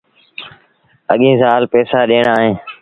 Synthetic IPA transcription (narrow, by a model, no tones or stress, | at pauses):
ə̰ɠĩːzaːlpɛːsaːɗeːɳaːɦẽː